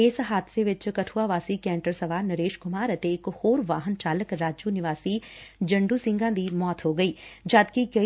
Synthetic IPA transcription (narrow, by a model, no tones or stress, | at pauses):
eːsɦaːd̪seʋɪt͡ʃkɐʈʰuaʋaːsikɛ̃ːɳʈəɾsɐʋaːɾnɐɾeːʃkʊmaːɾət̪eɪkhoːɾʋaːɦənt͡ʃaːləkɾaːd͡ʒuːnɪʋaːsid͡ʒɐ̃ɳɖuːsɪ̃ŋɡãːd̪iːmɔːt̪ɦoːɡɐiːd͡ʒaːd̪kikɐ